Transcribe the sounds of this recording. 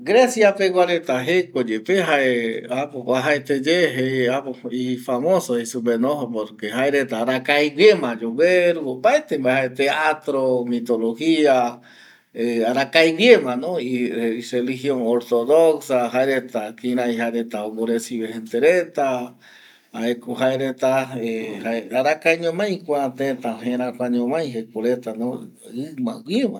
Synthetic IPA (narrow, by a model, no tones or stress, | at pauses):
ɡɾesjapewʷaɾet̪aɦekod͡ʒepeɦaeapoaɦaet̪ed͡ʒeɦeapoifamosoisupenoɦopoɾkeɦaeɾet̪aːɾakajɡemãd͡ʒoweɾuopaet̪embaehaet̪eat̪ɾomit̪olohia | eaɾakajwjemãnõiirelihjoŋoɾt̪oðoksaɦaeɾet̪akĩɾãjhaeɾet̪aoboɾesiβehent̪eɾet̪a | haekoɦaeɾet̪aehaeaɾakajɲõmãj̃kʷãt̪et̪aɦẽɾakʷaɲõmãj̃ɦekoɾet̪anõ | ɨmã̰wʷjemã